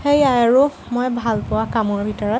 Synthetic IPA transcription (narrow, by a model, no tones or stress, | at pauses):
xejajaɹu | mojbʱalpʊwakamɔɹbʱitɔɹɔt